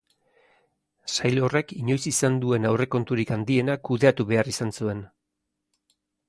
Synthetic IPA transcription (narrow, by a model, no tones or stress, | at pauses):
sajlo̞re̞kiɲo̞jsisand̪ue̞nawre̞ko̞nt̪uɾikand̪ie̞nakuðe̞at̪uβe̞arisansue̞n